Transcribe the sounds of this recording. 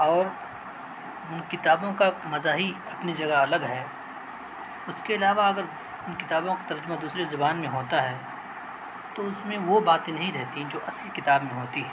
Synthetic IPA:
ɔːɾ | ʊnkɪt̪aːbõkamɐzaːɦiɐpnid͡ʒɐɡaɐləɡɦɛː | ʊskeɐlaːʋaɐɡəɾ | ʊnkɪt̪aːbõkat̪ɐɾd͡ʒʊmad̪uːsɾezʊbaːnmẽɦoːt̪aɦɛː | t̪oʊsmẽʋobaːt̪ẽnɐɦĩɾɛɦt̪ĩd͡ʒoːʔɐsəlkɪt̪aːbmẽɦoːt̪iɦɛː

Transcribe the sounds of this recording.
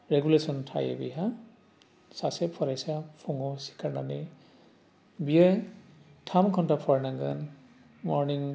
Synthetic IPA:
ɹɛɡulesɔntʰa̰jḛbḭɦa | sasepʰɔɾajsapʰuŋɔsi̥kʰaɹna̰ni | biə | tʰamkʰɔntapʰɔɹnaŋɡa̰n | mɔɹniŋ

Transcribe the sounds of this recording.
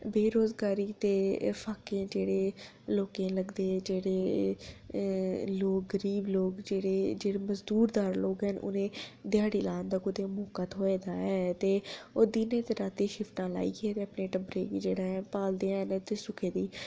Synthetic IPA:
beːɾoːzɡaːɾiːt̪eːpʰaːkẽːd͡ʒeːɽeː | loːkẽːləɡd̪eːd͡ʒeːɽeː | loːk̚ɡəɾiːbloːkd͡ʒeːɽeːd͡ʒeːɽeːməzd̪uːɾd̪aːɾloːkɦɛnʊ̰nẽːd̪ɪjaːɽiːlaːnd̪aːkʊd̪eːmoːkət̪ɦoːeːd̪aːɛːt̪eːoːd̪iːnẽːt̪eɾaːt̪eːʃɪfʰʈãːla̰ːḭːkeːt̪eːəpneːʈəbɾeːɡiːd͡ʒeːɽaːɛ̃ːpaːld̪ẽːnt̪eːsʊkʰeːd̪iː

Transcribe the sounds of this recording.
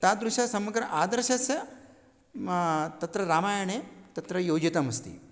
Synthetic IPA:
t̪ad̪ɾuʃjasɐmɐɡɾɐʔaːd̪ɐɾʃɐsjɐ | t̪ɐt̪ɾɐɾaːmaːjɐɳet̪ɐt̪ɾɐjoːd͡ʒit̪ɐmɐst̪ḭ

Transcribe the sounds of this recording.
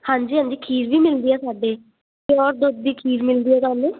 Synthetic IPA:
hãːɲd͡ʒiːɦə̃ːɲd͡ʒiːkʰiːɾʋiːmɪld̪iːɛːsaːɖeː | keɔːɾd̪ʊd̪̚d̪iːkʰiːɾmɪld̪iːɦɛːt̪ʊãːnũː

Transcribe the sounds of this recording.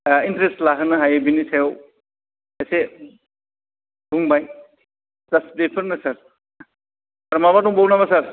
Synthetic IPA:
intɾestlaɦɯnɯɦajbinisʰajɔw | ese | duŋbaj | zastbepʰəɾnɯsaɾ | aɾɔmabatuŋbɔwnaβasaɾ

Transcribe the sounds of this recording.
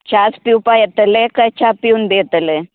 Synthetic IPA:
t͡ʃaːspiupajɐt̪əlekɐt͡ʃʰapiunbeɐt̪əle

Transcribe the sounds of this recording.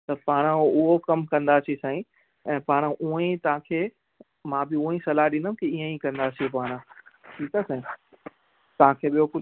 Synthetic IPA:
t̪ɐpaːɽ̃ʊɦokɐmkɐ̃nd̪at̪ʰisãːĩ | ɛ̃ːpaːɽ̃ʔuə̃ĩt̪ɐʋ̤ãkʰeː | mãːbɪũĩsɐlaɗɪ̃nəmkiiːə̃ikɐ̃nd̪atʰipaːɽ̃ʈʰiːkasɛ̃ĩ | t̪ɐʋ̤ãkʰeːɓijokʊ

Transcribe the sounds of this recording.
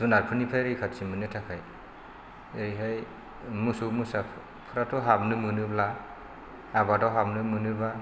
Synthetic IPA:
z̥unaɾpʰɯnipʰajɾɯjkʰatsimɯnɯtʰakʰaj | eɾiɦaj | musomusa | pʰɯɾatʰɔɦabnɯmɯnɯbla | abadɔɦabnɯmɯnɯba

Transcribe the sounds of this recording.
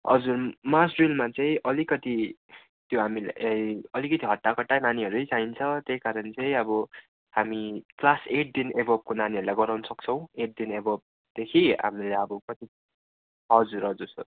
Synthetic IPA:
ɦʌ̰d͡zurmasrilmat͡saĩʔʌlikʌt̪i | t̪joɦamila̰ʌjʌlikʌt̪iɦʌʈːakʌʈːajnaniɦʌɾujt͡saint͡sʰʌt̪ejkaɾʌnt͡sʌĩʌbʌ | hamiklaseʈ̚d̪inebʱʌb̚konaniʌɾulajɡʌɾawnʌsʌkt͡sʰʌw̃eʈ̚d̪inebʌb̚ | d̪̥ekʰiɦa̰mileʌbʌkʌt̪i | ɦʌd͡zuɾʌd͡zuɾsʌ̰

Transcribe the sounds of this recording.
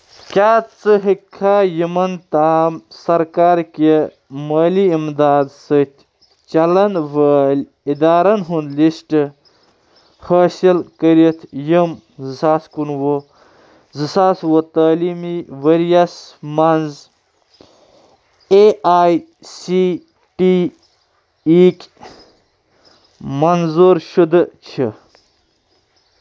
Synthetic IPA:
kʲaːt̪t͡sɨɦikʰːaːjimɐnt̪aːmsɐɾkaːɾke | mɐːliimd̪aːd̪sɨt̪ʲʰ | t͡ʃɐlɐnʋəlʲ | id̪aːɾɐnɦunlisʈɨ | hɐːsɐlkəɾit̪ʰjəm | zɨsaːskunwo | zɨsaːswot̪aːlimiʋɐɾijɐsmɐnz | eaːj | si | ʈi | ik | mɐnzoɾʃud̪ɨt͡ɕʰə

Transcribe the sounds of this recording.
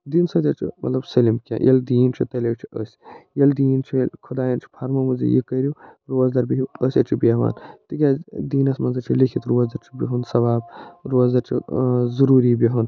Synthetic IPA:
d̪insɐt̪ʲɐt͡ʃʰḭmʔɐ̰t̪lɐbsɐlimkʲa̰ːjʔɐ̰ld̪iːnt͡ʃʰit̪ɐleːwt͡ʃʰiəsʲjɐld̪iːnt͡ʃʰilkʰud̪aːjɐnt͡ʃʰi̥pʰɐɾmɐmuzḭjḭkɐɾiɾoːzd̪ɐɾbiɦiəsʲɐt͡ʃʰibeʋa̰ːnt̪ikʲaːd̪iːnɐsmɐnzɐɾt͡ʃʰilikʰit̪ɾoːzd̪ɐɾt͡ʃʰibiɦunsɐʋaːbɾoːzd̪ɐɾt͡ʃʰḭzɐɾuːɾiːbiɦun

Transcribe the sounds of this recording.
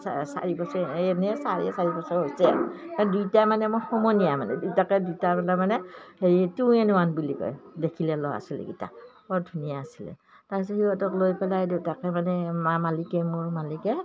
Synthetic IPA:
sa̰ɹibɔsɔɛnɛsaɹḭɛsaɹibɔsɔɦojsɛ̰manɛdujtamanɛmɔjxɔmɔjnijamanɛ̰dujtakɛdujtapɛlamanɛheɹituɛnuwanbilikɔ̰jdekʰilɛlɔ̰a̰silɛ̰ɡita̰ | ɔɹdʱunijaːsilɛ̰ | taɹis̬ɔhiwɔtɔklojpɛlajdutakɛmanɛmamalikɛmʊɹmalikɛ

